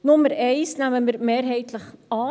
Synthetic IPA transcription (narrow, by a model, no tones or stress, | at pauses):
nʊmːəɾɛɪsnæməməɾmeːɾɦɛɪt̪ləχɑː